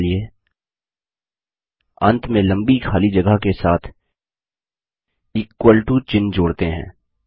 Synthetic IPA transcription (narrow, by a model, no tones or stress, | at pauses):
lie | ɐ̰̃nt̪ʰmẽlɐ̃mbikʰaːlid͡ʒɐɡəkesaːt̪ʰ | ɪkːwəlɪʈut͡ʃɪ̃nd͡ʒoːɽt̪eɦɛ̰̃ː